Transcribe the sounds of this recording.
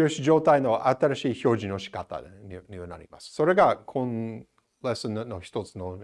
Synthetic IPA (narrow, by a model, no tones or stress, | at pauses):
oːɕid͡ʑo̞ːt̪aino̞ʔat̪aɾaɕiːço̞ːʑĩno̞ɕi̥kat̪a̰niɲʲiβana̰ɾʲḭma̰sɨ̥so̞ɾe̞ɡakʰõn | lesɨnnːo̞çi̥t̪o̞t͡sɨno̞